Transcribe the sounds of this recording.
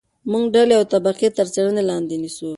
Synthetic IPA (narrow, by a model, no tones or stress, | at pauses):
muŋɡɖaleawt̪abaqet̪əɾt͡ʃaɽənelɑnd̪enisu